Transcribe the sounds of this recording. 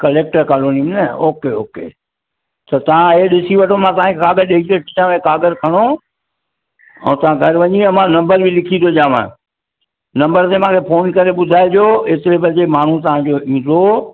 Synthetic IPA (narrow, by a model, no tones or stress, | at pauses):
kɐleːk̚ʈəɾkaːloːniəmnɐoːkeo̰ːkḛ | t̪ɐt̪ɐʋ̤ãɦeɗɪsiʋɐʈʰomãt̪ɐʋ̤ãkʰekaːɡəɾɗeieʈʰɪt͡ɕãːekaːɡəɾkʰɐɽ̃o | ɛ̰̃ːt̪ɐʋ̤ãɡʱɐɾʋɐɲiɐmãnɐ̃mbəɾbɪ̃lɪkʰĩd̪ʰʱod͡ʑaːʋã̰ | nɐ̃mbəɾt̪emãːkʰefʰoːnkɐɾeɓʊd̪ʱaːed͡ʑoːet̪ɪɾebɐd͡ʑemaːɳ̤ũt̪̬ɐʋ̤ãd͡ʑoːĩːd̪o